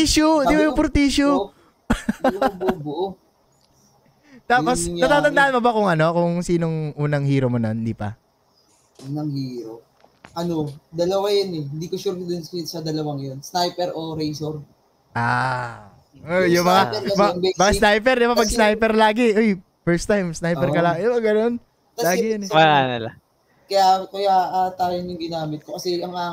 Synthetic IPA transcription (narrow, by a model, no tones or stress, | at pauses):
iʃodd̪iːbɐjʊŋpʊɾt̪iːʃo | bbʔ | t̪aːposɐt̪aːt̪ɐnd̪aːhɐnmobɐkʊŋɐno̞kʊŋsiːnoŋʔuːnɐŋhiːɾomonond̪iːpɐ̰ | ʔuːnɐŋhiːɾo̰ | ʔɐnod̪ɐlɐwajɐnɛɪnd̪iːkoʃuɾd̪ʊnssɐd̪ɐlɐwaŋjonsnajpɛɾoɾɛjsoɾ | ʔaː | ojʊmɐŋaɐbɛbaːkasnajp̬ɛɾd̪ɪbapɐɡ̚snajpɛɾlaːɡɛʔoj | fɛɹst̪ajmsnajpɛɾkɐlaːɡjbɐɡɐno̞n | t̪ɐlaːɡɪjɐnmɐɾaːnɐlɐ | kɐjakɐjaʔat̪aːjonjʊŋɡɪnaːmɪt̪̚kokɐsɛʔɐŋa